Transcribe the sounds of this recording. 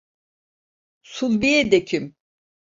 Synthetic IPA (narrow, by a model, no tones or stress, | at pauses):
sulˠbiɛd̪ecʰym